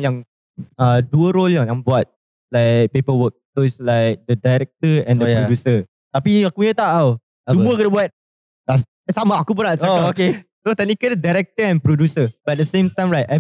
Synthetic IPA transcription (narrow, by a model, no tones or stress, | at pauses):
jãŋ | aduəɾoljaŋjãŋbuat̪̚ | laɪk̚pepəwək̚toslaɪk̚dədajɾɛk̚t̪əɛ̃ndəjpɾodjusə | t̪apiakujət̪aʔa | t͡ʃumũəkənəbuat̪̚ | das | samaakupʊnaʔt͡ʃakaokesot̪ɛnikəddajɾɛk̚t̪əɛ̃npɾɔdusəb̥adəsẽmt̪ãjmɹajta